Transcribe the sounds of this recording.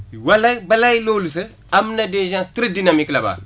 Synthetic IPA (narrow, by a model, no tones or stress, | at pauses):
walabalalolis̬ə | amnadeʒãtiɾidinamiklaba̰